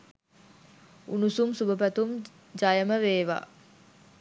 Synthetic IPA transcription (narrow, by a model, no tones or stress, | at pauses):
ṵnusumsubəpæt̪um | d͡ʒajəməʋeːʋa̰ː